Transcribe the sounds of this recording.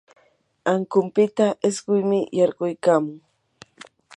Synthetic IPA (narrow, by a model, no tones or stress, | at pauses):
aŋkʊmpɪt̪aʔɪsɢʊjmɪjɑɾɢʊjkaːmʊŋ